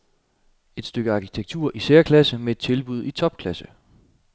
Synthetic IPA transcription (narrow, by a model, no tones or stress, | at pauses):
e̝d̥sd̥øɡ̥əɑ̈kʰi̥t͡sʰeɡ̥̚t͡sʰuɐ̰ʔiseːɐkʰlæsəmee̝d̥̚t͡sʰe̝lb̥uð̞̰ˠit͡sʰɒ̽b̥̚kʰlæsə